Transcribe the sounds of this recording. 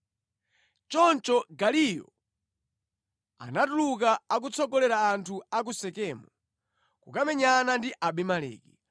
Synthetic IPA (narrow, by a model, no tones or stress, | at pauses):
t͡ʃɔnt͡ʃɔɡalijɔ̰ | a̰natuluk̬aak̬ut͡sʰɔɡɔlɛɾaːntʰuak̬usɛkɛːmu | kukamɛɲanandiʔaɓimalɛ̰ːki